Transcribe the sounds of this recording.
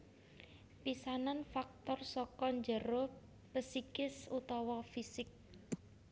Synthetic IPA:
pisananfak̚t̪ɔrsɔkɔɲd͡ʒəɾo | pəsikɪsut̪ɔwɔfisɪk̚

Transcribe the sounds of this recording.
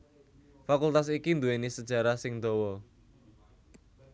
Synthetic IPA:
fakult̪as̬ikind̪uwenisəd̥ʒ̥a̤ɾasɪŋd̪ɔwɔ

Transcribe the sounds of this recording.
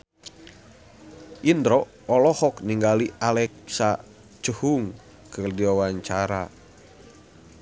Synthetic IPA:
ʔindɾɔː | lɔhɔkniŋɡaliʔalɛk̚sa | t͡ʃəhuŋ | kɨrdiwawaɲt͡ʃaɾa̰

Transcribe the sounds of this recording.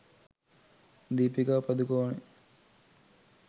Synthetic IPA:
d̪iːpiɡaːpɐd̪ukoːne

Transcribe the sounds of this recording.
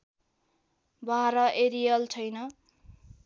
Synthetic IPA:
bʱaɾʌʔeɾijʌlt͡sʰʌjnʌ

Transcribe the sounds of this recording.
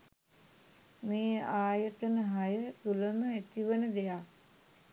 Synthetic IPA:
meːaːjət̪ənəɦajət̪uləməæt̪iʋənəd̪ejak

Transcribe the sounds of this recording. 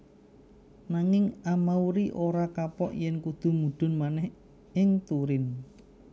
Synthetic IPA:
naŋɪŋamauɾiʔoɾakapɔ̰ʔjɛnkud̪̥ṳmuɖ̪̥ʊ̤nmanɛh | ɪŋt̪uɾɪn

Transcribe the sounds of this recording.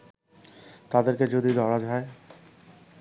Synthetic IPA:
t̪ad̪eɾked͡ʑod̪id̪ʱɔɾad͡ʑae

